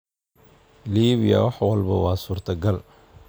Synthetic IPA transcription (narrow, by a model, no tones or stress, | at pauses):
liːβɪjɐ̰wɑħwɐlbɐwɑːsuːrt̪ʰɐɡɐl